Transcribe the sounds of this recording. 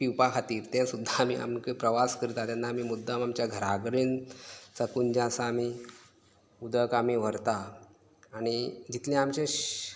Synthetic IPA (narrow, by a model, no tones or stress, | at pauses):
piwpakʰat̪iːɾt̪ɛ̃sud̪ʱːaːmḭa̰mkəpɾəʋaskəɾit̪at̪janːaːmiːmud̪ʱːəmamt͡ɕjaɡʱəɾaɡɾeːnt͡səkund͡ʑãsaːmi | ud̪əkamiʋ̤əɾt̪aː | ɽ̃id͡ʑit̪lẽamt͡ɕẽ